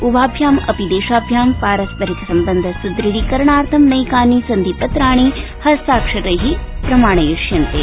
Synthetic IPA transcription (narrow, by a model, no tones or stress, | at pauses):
ubʱaːbʱjaːmɐpid̪eːʃaːbʱjaːmpaːɾɐspɐɾikɐsɐmbɐnd̪ʱɐsud̪ɾiɽikɐɾɐɳaːɾt̪ʰɐmnɐjkaːnisɐnd̪ipɐt̪ɾaːɳ̃i | hɐst̪aːkʂɐt̪ɐɦipɾɐmaːɳ̃ɐjuʂjɐnt̪e